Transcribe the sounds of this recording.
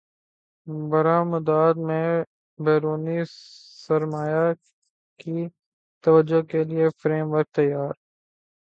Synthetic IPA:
bɐɾaməd̪aːd̪mẽ | beːɾuːni | sɐɾmaːja | ki | t̪ɐʋəd͡ʒokeliefɾeːmʋəɾk̚t̪ɐjːaːɾ

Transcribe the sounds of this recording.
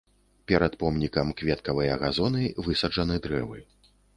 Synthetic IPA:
pʲɛɾɐt̪pɔmnʲikɐmkvʲɛt̪̚kɐvɐjɐɐɣazɔnɨvɨsɐd͡ʐɐnɨd̪ɾɛvɨ

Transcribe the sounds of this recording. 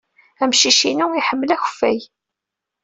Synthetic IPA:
æmʃiʃinuiħəmːlæçfːæj

